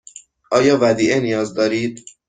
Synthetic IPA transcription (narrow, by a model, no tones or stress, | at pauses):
ʔɒːjɒːvæd̪iːʔenijɒːzd̪ɒːɾiːd̪̥̚